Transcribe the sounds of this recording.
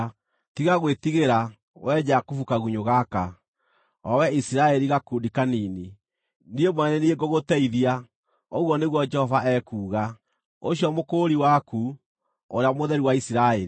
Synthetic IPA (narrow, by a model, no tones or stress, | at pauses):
tiɣaɣwetiɣeɾa | wʔɛd͡ʒakufukaɣuɲoɣaka | ɔwɛisiɾaɛɾiɣakudikaniːni | niemwɛnɛnieɡoɣotɛiðia | ɔɣwɔneɣwɔd͡ʒɛhɔvaʔɛkuːɣa | oɕiɔmokoɾiwaku | oɾeamoðɛɾiwaisiɾaɛɾi